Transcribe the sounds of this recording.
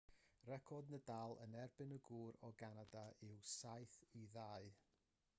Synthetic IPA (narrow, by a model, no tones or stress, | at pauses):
rɛkʰɔdnədalˠə̰nɛrbɪnəɡuːɾɔɡanadaɪwsajθiðaɨ